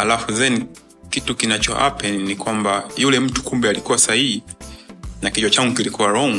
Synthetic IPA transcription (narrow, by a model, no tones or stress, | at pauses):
alafuzɛni | kitukinat͡ʃɔ̰ʔa̰pɛnikwambajulɛm̩tu̥kumbɛalikuwasahihi | nakid͡ʒɔt͡ʃaŋɡukilikuwaɾɔŋ